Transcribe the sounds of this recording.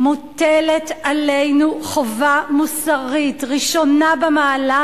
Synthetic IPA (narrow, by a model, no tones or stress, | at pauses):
muteletʔalejnuχovamusaʁitʁiʃo̞nabemaːla